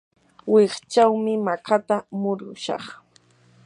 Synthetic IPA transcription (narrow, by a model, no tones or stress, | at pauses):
wɪχt͡ʃawmɪmakʰat̪amʊɾʊʃɑ̰χ